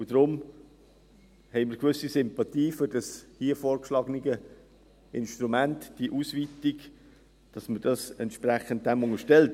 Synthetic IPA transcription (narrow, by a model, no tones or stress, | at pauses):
ud̥ɾʊm | hɛɪmɪɾɡʋʏsːisɪmpɑtiːfʏɾd̥ɑshiəfoːɾkʃlɑːɡəniɡə | ʔɪnʃtɾumæntd̥iʔusviːtiɡ | d̥ɑsməd̥ɑsɛntʃpræχənt̚d̥æmʊŋəʃtɛlt